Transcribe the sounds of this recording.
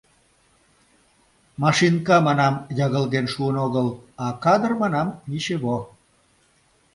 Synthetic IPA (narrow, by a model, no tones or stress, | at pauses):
mɑʃinkɑmɑnɑmjɑɣəlɣenʃuənoɣəlɑkɑd̪ərmɑnɑmniʃeβo